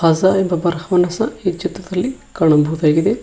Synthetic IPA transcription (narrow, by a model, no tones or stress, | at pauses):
azaembɐbɐɾhɐʋɐnɐsɐid͡ʒɐt̪ɐd̪ɐlːikaːɳɐbʱɐʋd̪aːɡid̪e